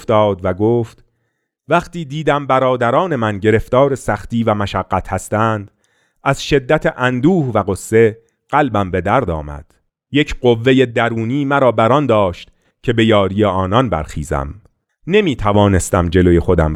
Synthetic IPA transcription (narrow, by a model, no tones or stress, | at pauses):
ft̪ɒːd̪væɡoːft̪ | væχt̪iːd̪iːd̪æmbæɾɒːd̪æɾɒːne̞mænɟe̞ɾe̞ft̪ɒːɾesæχt̪iːvæmæʃæɢːæt̪ʰhæst̪æːnd̪̥ | æz̥ʃe̞d̪ːæt̪ʰeʔænd̪uːhvæɣosːe̞ | ɢ̥ælbæmbe̞d̪æɾd̪ɒ̰ːmæ̰d̪̥ | je̞cʰɢovːe̞jed̪æɾuːniːmæɾɒːbæɾɒnd̪ɒːʃt̪ | cʰe̞be̞jɒːɾijeɒːnɒnbæ̰ɾxḭːzæ̰m | ne̞miːt̪ʰævɒːne̞st̪æmd͡ʒe̞lo̞je̞xo̞d̪æ̰m